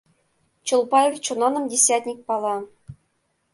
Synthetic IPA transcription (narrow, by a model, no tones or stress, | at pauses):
t͡ɕɤ̆lˠpɑelʲt͡ɕŭnɑnɤ̆mdʲesʲætʲnʲik̚ʲpɑlˠɑ